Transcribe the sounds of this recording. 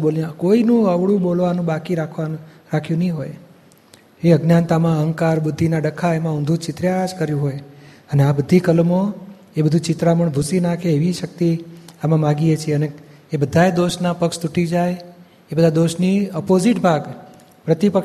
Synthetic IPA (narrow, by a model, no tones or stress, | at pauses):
boljãkoinũəʋɽũbolʋanũbakiɾakʰʋa | ɾakʰjũnəĩɦo̰j | eəɡnjant̪amãəɦəŋɡkaɾbʊd̪ʱːinaɖəkʰːaemãũnd̪ʱũt͡ʃɪt̪ɾjad͡ʒkəɾjũɦoj | əneabəd̪ʱikəlmo | ebəd̪ʱũt͡ʃɪt̪ɾaməɳbʱusinakʰeeʋiʃək̚t̪iamãmãɡiet͡ʃʰieəneː | bəd̪ʱaed̪oʃnapəkʃt̪uʈid͡ʒaj | ebəd̪ʱad̪oʃniəpozɪʈbʱaɡ | pɾət̪ipə